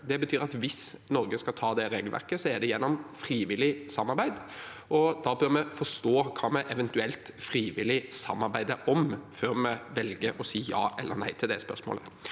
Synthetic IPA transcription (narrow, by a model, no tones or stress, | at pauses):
d̪ɛbət̪ʰyːɾɑt̪ʋɪsnɔɾɡəskɑt̪ʰɑːd̪ɛɾeːɡəlʋæ̰ɾkəsɔɛdɖ̪ɛjɛnːɔmfɾiːʋɪlɪsɑmːɑɾbæɪd̪ | ʔɔd̪ɑbøɾmɛfɔʂt̪oːkʰɑːmɛʔɛʋɛnt̪ʉɛlt̪fɾiːʋɪlɪsɑ̰mːɑɾbæɪd̪əʔɔmføːɾmɛʋɛlɡəɾɔsiːjɑ̰ːʔɛlːə̰ɾnæ̰ɪt̪ʰɪld̪ɛspœ̰ɾsmo̰ːlə